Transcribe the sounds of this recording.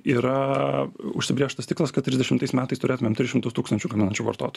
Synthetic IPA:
iːɾɐ | ʊʃʲsʲɪbɾʲeːʃt̪ɐst̪ʲɪklˠɐskɐt̪tːʲɾʲɪzʲd̪ʲɛʃʲɪmt̪ɐɪsmʲæːt̪ɐɪst̪ʊɾʲeːt̪ʊmʲemt̪ʲɾʲɪsʃʲɪmt̪ʊst̪uːkst̪ɐnʲt͡ʃʲuɡɐmʲɪnɐnʲt͡ʃʲuːʋɐ̰ɾt̪o̰ːt̪ɔj

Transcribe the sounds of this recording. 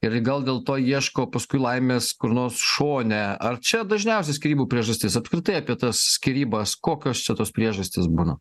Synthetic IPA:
ɪɾɡɐlˠd̪ʲeːlˠt̪oːiɛʃkoːpɐskʊɪlˠɐɪmʲeːskʊɾnoːsʃoːnʲɛɐrt͡ʃʲɛd̪ɐʒʲnʲɛʊsʲɛsʲkʲiɾʲiːbuːpʲɾʲiɛʒɐsʲt̪ʲɪsɐpskɾʲɪt̪ɐɪɐpʲiɛt̪ɐssʲkʲɪɾʲiːbɐskoːkʲoːst͡ʃʲɛt̪oːspʲɾʲiɛʒɐsʲt̪ʲɪsbunɐ

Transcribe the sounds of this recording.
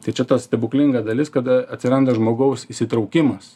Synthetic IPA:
t̪ɐɪt͡ʃʲɛt̪ɐssʲt̪ʲɛbʊkʲlʲɪŋɡɐsd̪ɐlʲɪskɐd̪ɐɐt̪ʲsʲɪɾɐnd̪ɐʒmoːɡɐʊsisʲɪt̪ɾɐʊkʲɪmɐs

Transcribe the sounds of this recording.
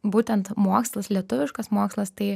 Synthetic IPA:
buːt̪ʲɛnt̪moːkslˠɐslʲiɛt̪ʊʋʲɪʃkɐsmoːkslˠɐst̪ɐɪ

